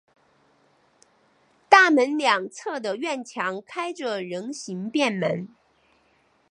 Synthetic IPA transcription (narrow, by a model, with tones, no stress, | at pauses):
t̪a˥˩mə˧˥nljɑ˨˩ŋt͡sʰɤ˥˩d̪ə˩ɥɛ˥˩nt͡ɕʰjɑ˧˥ŋkʰa˥ɪʈ͡ʂə˨ɻə˧˥ŋɕi˧˥ŋpjɛ˥˩nmə˧˥n